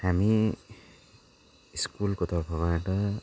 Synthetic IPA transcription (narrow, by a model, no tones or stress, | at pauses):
hami | iskulkot̪ʌrpʰʌbaʈʌ